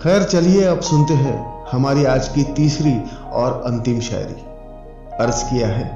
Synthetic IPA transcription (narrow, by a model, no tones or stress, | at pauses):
xɛːɾt͡ʃɐlieɐbsʊnt̪eɦɛ̰̃ːhɐmaːɾiaːd͡ʒkit̪iːsɾiɔːɾɐ̃nt̪ɪmʃa̰ːjɾḭ | ɐɾzkijaɦɛː